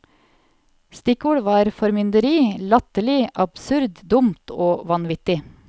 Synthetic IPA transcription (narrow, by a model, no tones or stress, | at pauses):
st̪ɪkuːɽʋɑːɾfɔɾmʏnd̪əɾiːlɑt̪əlɪʔɑb̥sʉɾd̪d̪ʊmt̪ʰoːʋɑnʋɪt̪ɪ